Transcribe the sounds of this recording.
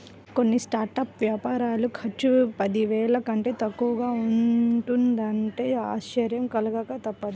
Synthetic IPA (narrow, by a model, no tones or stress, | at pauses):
ko̞nːisʈaːɾʈɐːpʋjaːpaːɾaːlukʰɐt͡ʃːupɐd̪iʋɛːɭɐkɐɳʈe̞ːt̪ɐkːuʋɐɡaːuɳʈund̪ɐɳʈe̞ːa̰ːʃɐɾjɐmkɐlɐɡɐkɐt̪ɐpːɐd̪i